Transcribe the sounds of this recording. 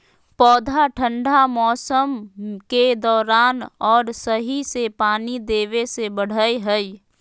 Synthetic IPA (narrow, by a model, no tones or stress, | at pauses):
pɔːd̪ʱaʈʰə̃ɳɖʱamɔːsəmked̪ɔːɾaːnɔːɾsəɦisepaːnid̪eːʋesebəɽ̤əeɦɛi